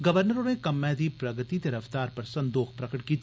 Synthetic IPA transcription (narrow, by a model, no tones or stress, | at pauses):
ɡɐʋəɾnəɾõnekɐmːɛ̃ːd̪ipɾɐɡət̪it̪ɐɾəft̪aːɾpɐɾsɐ̃nd̪oːxpɾɐkəʈkiːt̪